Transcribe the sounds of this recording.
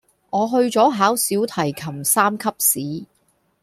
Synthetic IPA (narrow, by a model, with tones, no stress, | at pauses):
ŋɔː˨˧ɦɵ˧ɥt͡sɔː˨˥ɦaː˨˥wsiː˨˥wt̪ʰɐ˨˩jkʰɐ˨˩msaː˥mkʰɐ˥p̚siː˨˥